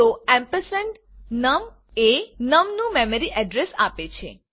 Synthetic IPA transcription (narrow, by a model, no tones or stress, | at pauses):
oɛ̃mpəsəɳɖ | nəm | enəmnũmɛməɾiʔɛɖɾesapet͡ʃʰḛ